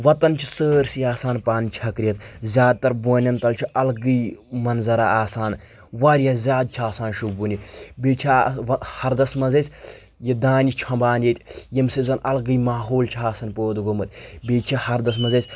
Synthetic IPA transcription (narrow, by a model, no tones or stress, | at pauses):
ʋɐt̪ɐnt͡ʃʰi̥səːɾsijaːsaːnpaːnt͡ʃʰɐkɾijɐt̪zʲjaːd̪̚t̪ɐɾboːnʲɐnt̪ɐlt͡ʃʰiʔɐlɡɨjmɐnzɐɾaaːsaːn | ʋaɾjɐzʲaːd̪̚t͡ʃʰaːsaːnʃubunʲibeːt͡ʃʰahɐɾd̪ɐsmɐzesʲ | jid̪aːnit͡ʃʰɐmbaːnjet̪ʲjimsizɐnʔɐlɡɨjmaːɦoːlt͡ʃʰiaːsɐnpoːd̪ɡomɨt̪bʲeːt͡ʃʰihɐɾd̪ɐs̬mɐzɐːsʲ